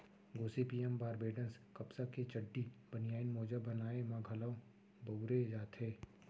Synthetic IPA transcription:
ɡoːsipiːɛmbaːɾbeːɖənskɐpsaket͡ʃəɖːibənijaːɪnmoːd͡ʒəbɐnaːemãɡʱəlaõ | bɐʊɾed͡ʒaːt̪ɦeː

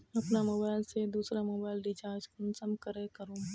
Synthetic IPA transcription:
ɐpnamoːbaːɪlsed̪uːsɾamoːbaːɪlɖɪt͡ʃaːɾd͡ʒkʊnsɐmkəɾẽkəɾõː

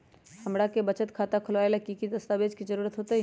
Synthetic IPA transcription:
hɐmɽakebəɐt͡ʃət̪kʰaːt̪akʰʊlʋaːelakikid̪ɐst̪aːbeːd͡ʒkizəɾuːɾət̪ɦoːt̪ei

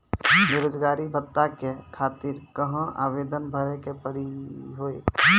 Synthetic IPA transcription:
ʋeɾoːd͡ʒɡaːɾibʱət̪ːakekʰaːt̪iɾkəɦə̃a̰ːbeːd̪ənbʱəɾekepəɾiɦoe

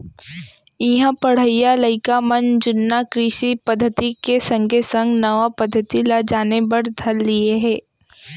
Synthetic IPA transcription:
ɪɦãpɐɽ̤əijaləɪkamɐnd͡ʒʊnːakɾiːʃipɐd̪ʱːət̪ikesɐ̃ŋɡʱesə̃ŋɡnɐʋapɐd̪ʱːət̪ilad͡ʒaːnebɐɾd̪ʱɐɾːieɦɛ̃ː

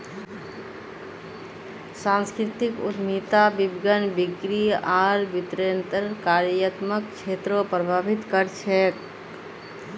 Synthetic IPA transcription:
sãnskɾit̪ikṵt̪mit̪abibɡənbikɾiaɾbit̪ɾent̪əɾkaːɾjət̪məkt͡ʃʰeːt̪ɾopɾəbʱaːbit̪kəɾt͡ʃʰɛk

